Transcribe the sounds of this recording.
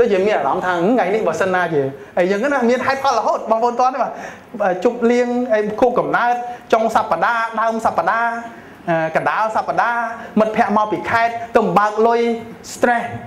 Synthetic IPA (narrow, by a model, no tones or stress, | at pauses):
ɗoːc̚t͡ɕiəmiənaːɾɑmt̪ʰaːŋajnihɓaːsənːaːt͡ɕiəʔəjəːŋkənamiənɦaɛt̪̚kʰɑləɦoːt̪̚ɓɑːŋpʰʔoːnt̪ŏənːihɓaː | əːt͡ɕup̚liəŋʔəjkʰuːpkɑmnaət̪̚t͡ɕoŋsapːaɗaːɗaəmsapːaɗaː | ʔəːkanɗaəlsapːaɗaːmɨt̪̚pʰɛ̆əʔmaɔwpiːkʰaɛt̪̚ːɨmɓaək̚lʊj | st̪reh